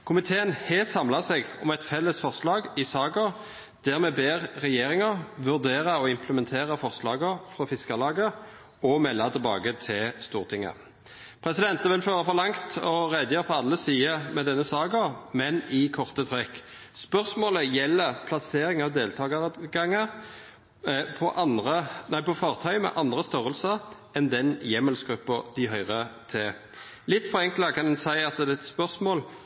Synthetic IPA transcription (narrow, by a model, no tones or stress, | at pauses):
kʰʊmɪt̪ʰeːənhɛsɑmlɑsɛɡɔmɛt̪fɛlːəsfɔʁslɑːɡɪsɑːɡəʁ | d̪̥æʁmɛbeːʁːɛjeːɾɪŋəʁʋʉʁd̪eːʁɑɔɪmpləmɛnt̪ʰeːʁəfɔʁslɑːɡəʁfɾɔfɪskəlɑːɡə | ɔmɛlːɑt̪ʰɪlbɑ̰ːɡət̪ʰɪlst̪uːʁt̪ʰɪŋːə̰ | pʰʁɛsɪd̪ɛnt̪əʋɪlføːʁəfɔʁlɑŋt̪ʰɔʁæɪd̪jøːʁfɔɑlːəsiːəmɛd̪ɛnːəsɑːɡəmɛnɪkʰɔʁt̪ət̪ʰʁɛkː | spœʁsmoːləjɛlːəʁpʰlɑseːɾɪŋɑʋd̪eːlt̪ʰɑːɡɑʁɡɑŋːə | pʰɔʔɑnʁənæɪpɔfɑʁt̪ʰœʏmɛ̰ʔɑnd̪ʁəst̪œʁəlsəʁ | ɛnd̪ɛnjɛməlsɡɾʉpːəd̪ɪɦœʏʁət̪ʰɛ | lɪt̪ːfɔʁɛŋkləkʰɑnd̪ɛnsæɪɑt̪d̪ɛɛt̪spœʁsmoːl